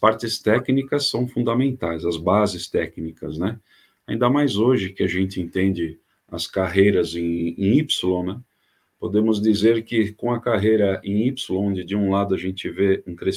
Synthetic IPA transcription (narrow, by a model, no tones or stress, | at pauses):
ɐspaɾt͡ʃɪst̪ɛknikɐsːɐ̃w̃fũnd̪ɐmẽnt̪ajzɐzbazɪst̪ɛknikɐznɛ | aĩnd̪ɐmajzoʒɪkɪɐʒẽnt͡ʃ̪ɪẽnt̪ẽnd͡ʒɪ | ɐ̰skaɦejɾɐzẽipsɪlõnɛ̃ | pod̪ẽmʊzd̪izeɾkɪkõɐkaɦejɾɐʔẽj̃ipsɪlõõnd͡ʒɪd͡ʒɪũlad̪ʊɐʒẽnt͡ʃɪveẽkɾe